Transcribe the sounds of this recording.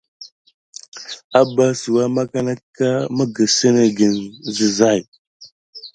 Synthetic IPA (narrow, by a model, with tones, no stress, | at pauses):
a˦ba˦su˨wa˦ma˦ka˦na˦ka˦mə˦ɡə˨sə˦nə˦ɡə˨nzə˨za˦˨j